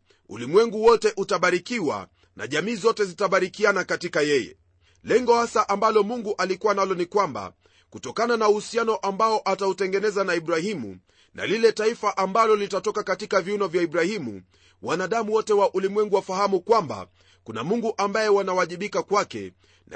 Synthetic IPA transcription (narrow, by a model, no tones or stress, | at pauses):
ṵlimwɛŋɡuwɔtɛʔutaɓaɾikiwa̰ | nʔa̰ʄamiːzɔtɛzitaɓaɾikianakatikajɛjɛ̰ | lɛŋɡɔhasaʔambalɔmuŋɡuʔalikuwanalɔnikwamba̰ | kutɔkananauhusianɔʔambaɔʔatautɛŋɡɛnɛzanaiɓɾahimṵ | na̰lilɛtaifaʔambalɔlitatɔkakatikaviunɔvjaiɓɾahimṵ | wanaɗamuwɔtɛwaʔulimwɛŋɡuwafahamukwamba̰ | kuna̰muŋɡuʔambajɛwanawaʄiɓikakwakɛ̰ | na